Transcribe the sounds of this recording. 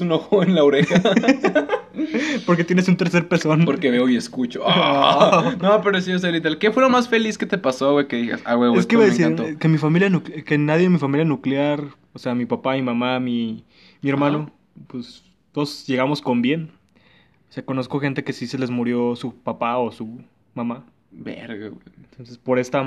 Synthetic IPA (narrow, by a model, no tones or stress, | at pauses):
sunoxoenlaoɾexa | po̞ɾk̬e̞t̪jenesunt̪e̞ɾse̞ɾpesonpoɾkeβeoieskut͡ʃoa | nnopeɾosios̬elit̪alkefwelomasfe̞lisket̪e̞pasowekeðiɣa̰sa̰weweskkeiiβaðesike̞mifamiljanukke̞naðjemifamiljanukljaɾ | oseamipapamimamami | mie̞ɾmãno̞ | pwes | t̪oðosʝe̞ɣamo̞sko̞mbje̞n | oseako̞no̞sko̞xe̞nt̪e̞ke̞sise̞le̞zmuɾjo̞supapaosu | mama | bḛɾɣḛwent̪o̞nsespo̞ɾe̞st̪a